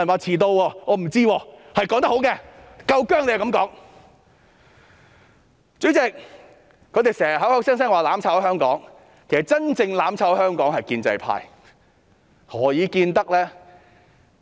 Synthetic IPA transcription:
nwaː˨˧t͡sʰiː˨˩t̪o˧wɔː˧ŋɔː˨˧m̩˨˩t͡siː˥wɔː˧hɐ˨jkɔː˨˥ŋt̪ɐ˥hɦwkɛː˧kɐ˧wkœː˥ŋle˨˧hkɐ˨˥mkɔː˨˥ŋ | t͡sɵ˨˥ɥt͡sɛ˨˧k̚ | kʰɵ˨˧t̪e˨˩sɛː˨˩ɐ˨ɦɐ˨˥whɐ˨˥wsɛː˥ŋsɛː˥ŋwaː˨laː˨˥mt͡sʰaː˨˧˥whœː˥ŋkɔ̰ː˨˥ŋ | kʰe˨˩sɐ˨˩t͡sɐ˥nt͡sɪ˧ŋlaː˨˥mt͡sʰa˨˧˥whœː˥ŋkɔː˨˥ŋhɐ˨jkiː˧nt͡sɐ̰˧jpʰa̰ː˧j | ŋɔː˨˧jiː˨˧kiː˧nt̪ɐ˥k̚lɛː˥

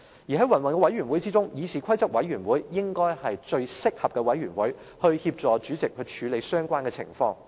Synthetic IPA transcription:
jiː˨˩ɦɐ˨˥jwɐ˨˩nwɐ˨˩nkɛ˧wɐ˨˥jɥy˨˩nwuː˨˥jt͡siː˥t͡sʊ˥ŋjiː˨˧sʰiː˨˩kʷʰɐ˥jt͡sɐ˥p̚wɐ˨˥jɥyː˨˩nwuː˨˥jːɪ˥ŋkɔː˥jhɐ˨jt͡ʃɵ˧ɥsɪ˥k̚hɐ˨p̚kɛ˧wɐ˨˥jɥyː˨˩nwuː˨˥j | hɵ˧ɥhiː˧p̚t͡ʃt͡sɔː˨˧t͡ʃyː˨˥t͡sɪ˨k̚hʰɵ˨˧ɥt͡ʃʰyː˨˧le˨˧jsœː˥ŋkʷaː˥nkɛ˧t͡sʰɪ̰˨˩ŋfɔː˧ŋ

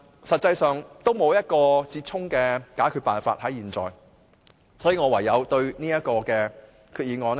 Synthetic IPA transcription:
sɐ˨t̚t͡sɐ˧jsœː˨˩ŋt̪o˥wmo˨˧wjɐ˥t̚kɔː˧t͡siː˧t̚t͡sʰʊ˥ŋkɛː˧kaː˨˥jkʰy˧paː˨nfaː˧t̚hɐ˨˥jiː˨nt͡sɔ̰ː˨j | sɔː˨˥jiː˧ŋɔː˨˧wɐ˨˩jːɐ˨˧wt̪ɵ˧ɥniː˥jɐ˥t̚kɔː˧kɛː˧ | kʰyː˧t̚jiː˨˧nŋɔː˨˧n˥

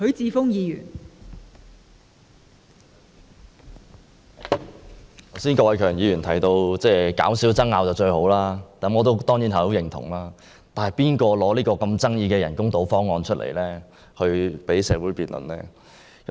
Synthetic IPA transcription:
kɵ˨˧˥ɥt͡siː˨˧fʊ˥ŋjiː˨˧jy̰ː˨˩n | t̪ʰɐ˨˩wsiː˥nkɔː˧wɐ˨˧jkʰœː˨˩ŋjiː˨˧jyː˨˩nt̪ʰɐ˨˩jt̪o˧wt͡sɛː˧ka̰ː˨˥wsiː˨˥wt͡sɐ˥ŋːaː˨˧wt͡sɐ˨˩wt͡ʃɵ˧ɥho˨˥wlaː˥k̪ɐ˨˥mɔː˨˧t̪o˥wt̪ɔː˥ŋjiː˨˥nhɐ˨˩ho˨˥wjɪ˨˩ŋt̪ʰʊ̰˨˩ŋlaː˥ | t̪aː˨nhɐ˨jpiː˥nkɔː˧lɔː˨˥liː˥kɔː˧kɐ˧mt͡sɐ˥ŋjiː˧kɛː˧jɐ˨˩nkʊ˥ŋt̪o˨˥wfɔː˥ŋːɔː˧nt͡ʃʰɵ˥t̚lʔḛ˨˩jlɛː˥ | hɵ˧ɥpe˨˥jsɛː˨˧wuː˨˥jpiː˨˩nlʔɵ̰˨˩nlɛː˥ | kɐ˨˦

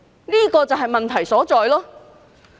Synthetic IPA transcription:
niː˥kɔː˧t͡sɐ˨wɦɐ˨jmɐ˨nt̪ʰɐ˨˩jsɔː˨˥t͡sɔː˨˧jlɔː˥

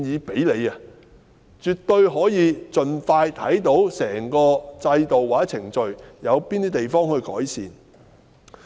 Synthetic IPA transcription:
njiː˨˧pe˨˥jle˨˧jɐ˧ | t͡ʃyː˨˩t̪ɵ˧ɥɦɔː˨˥jiː˨˧t͡ʃɵ˨nfaː˧jt̪ʰɐ̰˨˥jt̪o˨˥wsɛː˨˩ŋkɔː˧t͡sɐ˧jt̪o˨waː˨˩˥t͡sʰɪ˨˩ŋt͡ʃɵ˨ɥjɐ˨˧wpiː˥nt̪iː˥t̪e˨˩jfɔː˥ŋhɵ˧ɥkɔ̰ː˨˥jsiː˨n

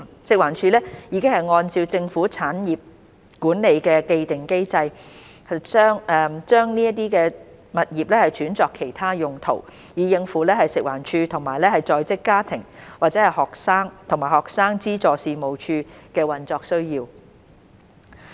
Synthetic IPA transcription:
sɪ˨k̚waː˨˩nt͡ʃʰyː˧lɛː˥jiː˨˧kɪ˥ŋhɐ˨jŋɔː˧nt͡siː˧wt͡sɪ˧ŋfuː˨˥t͡sʰaː˨˥njiː˨p̚ | kuː˨˥nne˨˧jkɛː˧ke˧jt̪ɪ˨˩ŋke˥jt͡sɐ˧j | hɐ˨jt͡sœː˥ŋɛ˧t͡ʃœː˥ŋniː˥ɐ˥t̪̬iː˥kɛː˧ | mɐ˨t̚jiː˨˩p̚lɛː˥hɐ˨jt͡ʃyː˨˥nt͡sɔː˧kʰːe˨˩jt̪ʰaː˥jʊ˨ŋt̪ʰo˨˩w | jiː˨˧jɪ˧ŋfuː˨˥lɛː˥hɐ˨jsɪ˨k̚waː˨˩nt͡ʃʰyː˧t̪ʰʊ˨˩ŋmaː˨˩jlɛː˥hɐ˨jt͡sɔː˧jt͡sɪ˥kːaː˥t̪ʰɪ˨˩ŋwaː˨t̚t͡sɛː˨˥hɐ˨˩jhɔː˨k̚saː˥ŋt̪ʰʊ˨˩ŋmaː˨˩jhɔː˨k̚saː˥ŋt͡siː˥t͡sɔː˨˧siː˨˧mo˨wt͡ʃʰyː˧kɛː˧wɐ˨nt͡sɔː˧ksɵ˥ɥjiː˧w

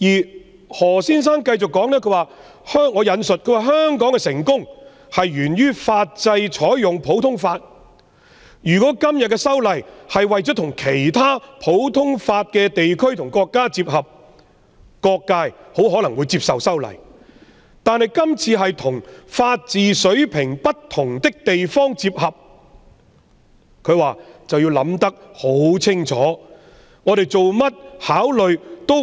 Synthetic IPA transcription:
jiː˨˩ | hɔː˨˩siː˥ns̬aː˥ŋkɐ˧jt͡sʊ˨kːɔː˨˥ŋnɛː˥kʰɵ˧˥waː˨ | hœː˥ŋːɔː˨˧jɐ˨˧nsɵ˨t̚kʰɵ˧ɥwaː˨ɦœː˥ŋkɔː˨˥ŋkɛ˧sɪ˨˩ŋkʊ˥ŋ | hɐ˨jɥyː˨˩nɥyː˥faː˧t̚t͡sɐ˧jt͡ʃʰɔː˨˥jjʊ˨ŋpʰo˨˥wt̪ʰʊ˥ŋfaː˧t̚ | jyː˨˩kɔː˨˥kɐ˥mjɐ˨t̚kɛː˧sɐ˥wlɐ˨jhɐ˨jwɐ˨jt͡sɔː˨˥t̪ʰʊ˨˩ŋkʰe˨˩jt̪ʰaː˥pʰo˨˥wt̪ʰʊ˥ŋfaː˧t̚kɛː˧t̪e˨jkʰɵ˥ɥt̪ʰʊ˨˩ŋkɔː˧kːaː˥t͡siː˧p̚hɐ˨p̚ | kɔː˧kːaː˧jho˨˥wɦɔː˨˥lɐ˨˩ŋwuː˨˧jt͡siː˧p̚sɐ˨wsɐ˥wlɐ̰˨˩j | t̪aː˨nhɐ˨jkɐ˥mt͡sʰiː˧ɦɐ˨jt̪ʰʊ˨˩ŋfaː˧t̚t͡siː˨sɵ˨˥ɥpʰɪ˨˩ŋpɐ˥tt̪ʰːʊ˨˩ŋt̪ɪ˥k̚t̪e˨jfɔː˥ŋt͡siː˧p̚hɐ˨p̚ | kʰɵ˨˧ɥwaː˨t͡sɐ˨wjiː˧wlɐ˨˧˥mt̪ɐ˥k̚ho˨˥wt͡sʰɪ˥ŋt͡sʰɔː˨˥ | ŋɔː˨˧ɾe˨jt͡so˨wmɐ˥t̚haː˨˥wlɵ˨ɥt̪o˥

